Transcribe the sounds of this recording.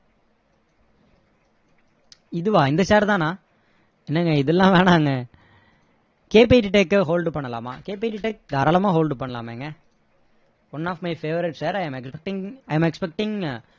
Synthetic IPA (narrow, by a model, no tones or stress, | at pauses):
ɪðɯʋaːɪnd̪ɐsaːɾt̪ãːnãː | ɛnːɛŋɡɐɪðɛlːãːʋeːɳaːŋɡɐ | keːp̬eːʈiʈeːkːɦoːlɖpɐɳːɐla̰ːma̰ːkeːp̬eɪʈːiʈeːk̚d̪aːɾaːlɐmãːɦoːlɖpɐɳːɐla̰ːmḛːŋɡɐ | ɔnːaːfmɐɪfeːʋɐɾɪʈsɐɾɐɪmɛkspɛk̚ʈɪ̃ŋɐɪɐmɛkspɛk̚ʈɪŋ